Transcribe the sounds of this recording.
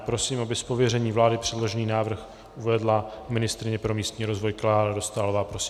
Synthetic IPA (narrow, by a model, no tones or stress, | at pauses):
pɾo̞siːmabɪspovjɛrɛɲiːvlaːdɪpr̥ɛdlo̞ʒɛniːnaːvr̩x | ʔuvɛdlamɪnɪst̪ɾɪɲɛpɾo̞miːst̪ɲiːɾo̞zvo̞jklaːɾado̞st̪aːlovaːpɾosɪ